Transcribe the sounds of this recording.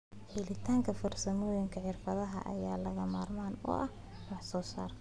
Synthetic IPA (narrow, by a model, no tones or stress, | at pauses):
ħɪlɪt̪ʰaːŋkʰɐfɔrsɐmɔːjɪŋkʰɐʕɪrfɐðɐɦɐ̰ʔɐ̰jaːlɐɣɐmaːrmaːnɔ̰ːʔɐh | wɑħsɔːsaːr